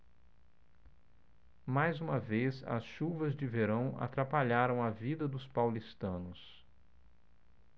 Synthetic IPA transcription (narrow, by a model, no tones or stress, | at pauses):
majzũmɐvezɐ̰sʃuvɐzd͡ʒɪveɾɐ̃w̃a̰t̪ɾapaʎaɾɐ̃w̃ɐvid̪ɐd̪ʊspawlist̪ɐ̃nʊs